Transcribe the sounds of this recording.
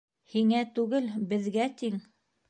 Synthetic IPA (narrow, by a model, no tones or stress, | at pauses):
hiŋæt̪ʉɡɘlbɘ̆ðɡæt̪iŋ